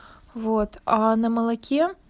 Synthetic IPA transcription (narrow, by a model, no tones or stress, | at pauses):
vot̪ʰanɐmɐlˠɐkʲʰe